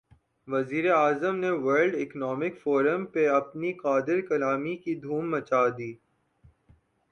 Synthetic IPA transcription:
ʋɐziːɾeaːzəmneʋɐɾɖɪknɔːmɪkfoːɾəmpeɐpniqaːd̪ɪɾkɐlaːmikid̪ʱuːmːɐt͡ʃaːd̪iː

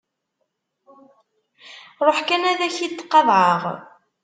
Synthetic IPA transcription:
ɾˤoħkænæðæçit̪ːqːɑðˤʕəʁ

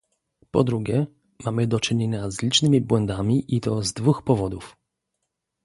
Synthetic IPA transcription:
pɔ̰d̪ɾuɡʲɛ | mamɘd̪ɔt͡ʂɘɲeɲazlʲit͡ʂnɘmʲibwɛnd̪amʲiʔit̪ɔzd̪vuxpɔvɔd̪uf

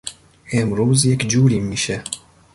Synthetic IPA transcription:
eːmɾuːzjɛkd͡ʒuːɾimːiʃɛ

